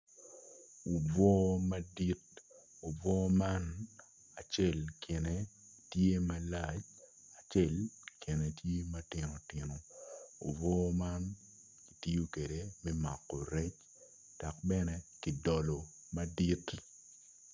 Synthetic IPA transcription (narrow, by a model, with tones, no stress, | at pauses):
u˨vɔː˦ma˦di˦t̚ | o˨vɔ˦ma˦n | a˨t͡ʃɛ˦˨lkʰɪ˨ne˨ | tje˦ma˦la˨t͡ʃ | a˨t͡ʃe˦˨lkʰɪ˨ne˨tje˦ma˦tɪ˨no˨tɪ˨no˨o̰˨vɔː˦ma˦n | ki˨ti˦jo˦ke˨de˨mɛ˦ma̰˨kːɔ˨ɾɛ˦t͡ʃ | d̥a˨k̚bɛ˦nɛ˦ki˨dɔ˨lo˨ | ma˦di˦t